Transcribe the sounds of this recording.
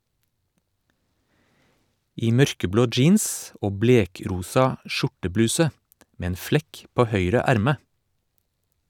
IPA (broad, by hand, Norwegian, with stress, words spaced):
ˈiː ˈmœɾkəˌbloː ˈd͡ʒiːns ˈoː ˈbleːˌkɾuːsɑ ˈʃʊʈəˌblʉːsə ˈmeː ˈeːn ˈflɛk ˈpoː ˈhœʏɾə ˈæɾmə